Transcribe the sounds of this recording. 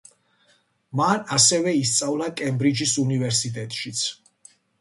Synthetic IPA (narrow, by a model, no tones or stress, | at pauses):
manasɛvɛist̪sʼavlˠakʼɛmbɾid͡ʒisunivɛɾsit̪ʼɛt̪ʼʃit̪sʰ